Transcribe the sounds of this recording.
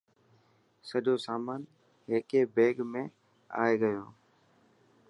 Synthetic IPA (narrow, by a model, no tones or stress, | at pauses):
səʄoːsaːmaːn | ɦeːkeːbeːɡmẽː | a̰ːeɡəjoː